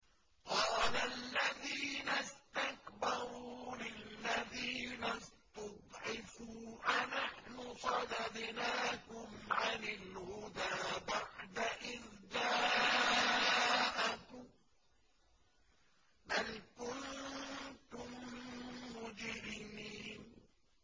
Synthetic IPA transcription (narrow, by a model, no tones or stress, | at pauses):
qɑːlalːaðiːnast̪akbɑɾɾuːlɪlːaðiːnast̪ɑd̪ˤʕɪfuːʔanaħnʊsˤɑd̪ɑd̪naːkʊmʕanɪlhʊd̪aːbaʕd̪aʔɪðd̪aː | ʔɪk | balkʊn | t̪ʊmː | ʊd͡ʒɾimiːn